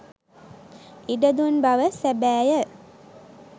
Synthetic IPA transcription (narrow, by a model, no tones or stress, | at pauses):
iɖəd̪unbaʋəsæbæːjə